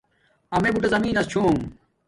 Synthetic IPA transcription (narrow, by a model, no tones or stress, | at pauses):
ɐmebuʈezɐmiːnɐst͡ɕʰoːŋ